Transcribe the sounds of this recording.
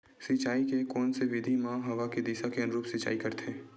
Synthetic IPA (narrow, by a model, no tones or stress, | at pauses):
sit͡ʃaːikekɔːnseʋɪd̪ʱimãːɦɐʋaked̪iːsakeɐnʊɾuːpsɪt͡ʃa̰ːikɐɾt̪ʰẽː